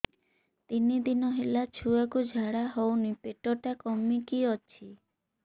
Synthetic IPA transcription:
t̪inid̪inɔɦelat͡ʃʰuakud͡ʒʱaɽaɦɔwnipeʈɔʈakɔmikiɔt͡ʃʰi

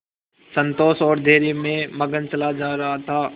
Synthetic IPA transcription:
sə̃nt̪oːsɔːɾd̪ʱeːɾimẽmɐɡənt͡ʃɐlad͡ʒaːɾɐɦat̪ʰaː

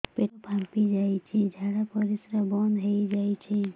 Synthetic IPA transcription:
peʈopʰãmpid͡ʒajt͡ʃʰid͡ʒʱaɽapəɾisɾəbɔnd̪ɦəjd͡ʒajt͡ʃʰɛ

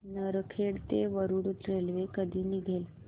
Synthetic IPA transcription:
nəɾəkʰeɽt̪eʋəɾuɽut̪ɾelʋekəd̪ʱiːniɡʱel

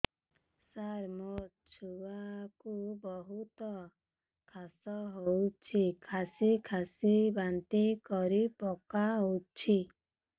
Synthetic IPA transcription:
saɾmo | t͡ʃʰuwakubɔɦut̪ɔ | kʰasɔɦowt͡ʃʰikʰasikʰasibant̪ikɔɾipɔkaɦot͡ʃʰi

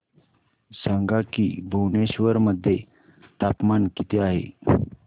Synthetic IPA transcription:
saŋɡakiːbʱuwneɕʋəɾməd̪ʱːje | t̪apmankit̪ʰeaɦḛ

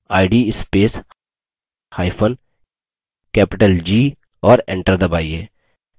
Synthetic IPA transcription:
aːɪɖiɪspeːs | haːɪpʰən | kɛːpɪʈəld͡ʒiː | ɔːɾḛ̃ɳʈəɾd̪ɐbaːieː

